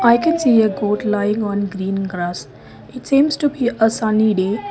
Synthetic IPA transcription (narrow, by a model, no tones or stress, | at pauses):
aɪkɛ̃nsiːəɡoːʈlaɪɪ̃ŋɔ̃nɡɾĩːnɡɾas | ɪʈsĩːmsʈubiʔəsaniɖeː